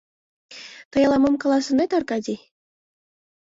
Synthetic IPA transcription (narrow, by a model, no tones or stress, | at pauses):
t̪ɤ̆jɑlˠɑmɤmkɑlˠɑsɤ̆net̪ɑrkɑd̪ʲi